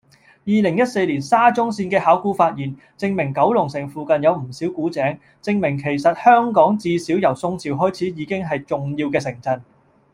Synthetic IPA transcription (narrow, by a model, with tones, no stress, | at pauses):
jiː˨˧lɪ˨˩ŋjɐ˥t̚se˧jliː˨˩nsaː˥t͡sʊ˥ŋsiː˧nkɛː˧haː˨˥wkuː˥faː˧t̚jiː˨˩n | t͡sɪ˧ŋmɪ˨˩ŋkɐ˨˥wlʊ˨˩ŋsɪ˨˩ŋfuː˨kɐ˨njɐ˨˧wm̩˨˩siː˨˥wkuː˨˥t͡sɛː˨˥ŋ | t͡sɪ˧ŋmɪ˨˩ŋkʰe˨˩jsɐ˨t̚hœː˥ŋkɔː˨˥ŋt͡siː˧siː˨˥wjɐ˨˩wsʊ˧ŋt͡sʰiː˨wɦɔː˥jt͡sʰiː˨˥jiː˨˧kɪ˥ŋɦɐ˨jt͡sʊ˨ŋjiː˧wkɛː˧sɪ˨˩ŋt͡sɐ˧n